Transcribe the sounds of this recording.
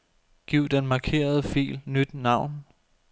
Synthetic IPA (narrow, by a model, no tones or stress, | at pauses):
ɡ̥iʊ̰d̥enmɑ̈kʰe̝̰ːɐð̞ˠəfḭːlnyd̥nɑ̈ʊ̰n